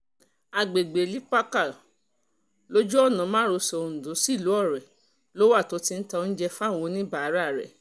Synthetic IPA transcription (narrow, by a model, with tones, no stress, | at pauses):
a˨ɡ͡be˨ɡ͡be˨li˨˦k͡pa˦ka˦˨ | lo˦d͡ʒu˦ɔ˦˨nã˨˦mã˦ɾo˧sɛ˧o˧n̩˨do˨˦si˦˨lu˨˦ɔ˦˨ɾɛ˨ | lo˦wa˦˨to˨˦ti˦˧n̩˦ta˧n̩˦d͡ʒɛ˧fa˦˨w̃õ˨˧nĩ˦ba˨˦ɾa˦˨ɾɛ̰˨